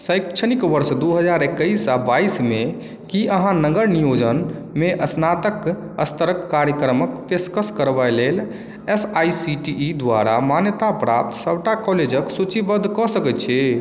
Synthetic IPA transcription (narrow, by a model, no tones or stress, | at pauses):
səjkt͡ʃʰənikʋəɾsd̪uɦəd͡ʒaɾekːəisabaisme | kiʔəɦãnəɡəɾnijod͡ʒənmeʔəsnat̪ək | əst̪əɾəkːaɾjəkɾəməkpeskəskəɾbalel | esajsiʈiʔːd̪waɾa̰manjət̪apɾap̚t̪səbʱʈakɔled͡ʒəksut͡ʃibəd̪ʱkɔsəkɛt̪̚t͡ʃʰɛ